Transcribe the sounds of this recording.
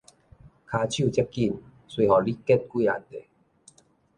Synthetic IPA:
kʰaː˧t͡ɕʰju˥˧˨t͡ɕɛ˦˥p̚ki˥˨n | swi˧hɔ˨˩li˦kɛ˥˦˩t̚ki˦a̰˨˩nt̪e˨˩

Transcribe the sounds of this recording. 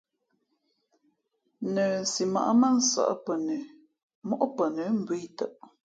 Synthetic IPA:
nə˨n̩˨si˨ma̰˨ʔmə˦n̩˦sa̰˨ʔpə˨nə˨ | mɔ˦ʔpə˨nə˨˦m̩˨bi˦jtə˦˨ʔ

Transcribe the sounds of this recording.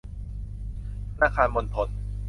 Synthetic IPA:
naː˧kʰaː˧nmo˧nt̪ʰo˧n

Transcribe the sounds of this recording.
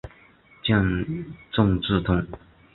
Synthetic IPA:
t͡ɕjɑ˥˧ŋt͡sʊ˥˧ŋʈ͡ʂɻ̩˥˩t̪ʰʊ˥ŋ

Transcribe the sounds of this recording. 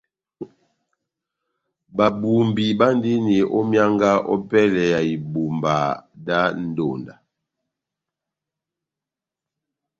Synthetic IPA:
ba˨bu˨mbi˨ba˦n˦di˦ni˨ʔɔ˦mja˦ŋɡa˦ɔ̰˦pɛ˦lɛ˨ja˨i˨bu˨mba˨da˦n̩˦do˨nda˨

